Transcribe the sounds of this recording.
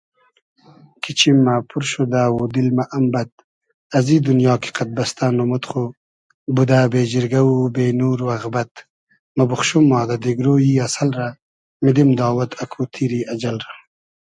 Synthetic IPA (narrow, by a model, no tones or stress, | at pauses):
kʰit͡ʃimːapʰuɾʃod̪aːwod̪ilmaʔambɐt̪̚ | ɐziːd̪unjɑːki̥qat̪̚bɐst̪anomut̪χu | bud̪abeːd͡ʒɪɾɡawubeːnuːɾuɐɣbɐt̪ | mɐbuχʃumːɑːd̪ad̪eɡɾoːjiasɐlɾa | mid̪imd̪ɑːwɐt̪ʰɐkʰut̪ʰiɾiɐd͡ʒalɾa